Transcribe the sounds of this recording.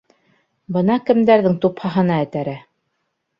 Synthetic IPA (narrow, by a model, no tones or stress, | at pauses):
bɤnɑkɘ̆md̪æɾðɘŋt̪uphɑɦɤ̆nɑɘ̆t̪æɾæ